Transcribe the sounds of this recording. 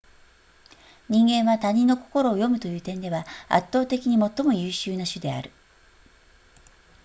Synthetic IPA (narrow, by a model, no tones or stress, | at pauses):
ɲ̟ĩŋɡẽ̞ɰ̃βat̪aɲ̟ĩnːoko̞̥ko̞ɾo̞ːjo̞mɯ̟t̪o̞jɯ̟ːt̪ẽ̞nd̪e̞βaa̰t̪ːo̞ːt̪e̞kʲiɲ̟imo̞t̪ːo̞mo̞jɯːɕɨːnaɕɨd̪e̞a̰ɾɯ̟